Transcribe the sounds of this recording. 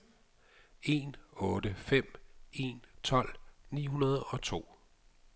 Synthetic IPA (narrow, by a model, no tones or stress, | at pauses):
e̝̰ːnɔ̽ːd̥əfem̰e̝nt͡sʰɒ̽l̰nḭːɦunɐð̞ˠɒ̽t͡sʰo̝̰ː